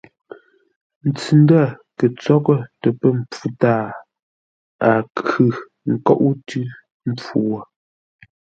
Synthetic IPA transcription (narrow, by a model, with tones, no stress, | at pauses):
n̩˨t͡sʉ˨n˦da˦˨kə˨t͡sɔ˦kə˦tə˨pə˦m̩˨p͡fu˦taː˦˨ | a˨kʉ˨ | ŋ̩˨kɔ˦˨ʔu˦tʉ˦ | m̩˦p͡fu˨wə˨